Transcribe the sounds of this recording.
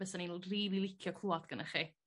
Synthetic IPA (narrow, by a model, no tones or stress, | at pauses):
ɛsaninriːðilˠɪkʰjɔkʰluːɔdɡ̥ənəχi